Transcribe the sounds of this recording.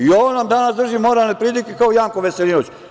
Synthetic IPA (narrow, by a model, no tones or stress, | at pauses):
ioonamd̪anasd̪r̩ʒimoɾalnepɾid̪ikekaojaːŋkoʋeselinot͡ɕ